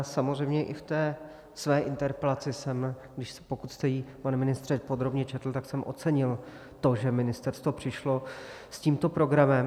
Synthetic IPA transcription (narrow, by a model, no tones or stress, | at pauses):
samozr̝ɛjmɲɛʔɪft̪ɛː | svɛːʔɪnt̪ɛɾpɛlat͡sɪsɛm | ɡdɪʃspo̞kut̪st̪ɛjiːpanɛmɪnɪst̪r̥ɛpo̞d̪ɾo̞bɲɛt͡ʃɛt̪l̩t̪aksɛmʔo̞̰t̪t͡sɛɲɪl | t̪o̞ʒɛmɪnɪst̪ɛɾst̪vo̞pr̝̥ɪʃlo̞ | sciːmt̪o̞pɾo̞ɡɾamɛm